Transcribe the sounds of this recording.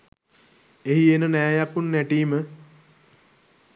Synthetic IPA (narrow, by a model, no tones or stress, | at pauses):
eɦienənæːjakunːæʈiːmə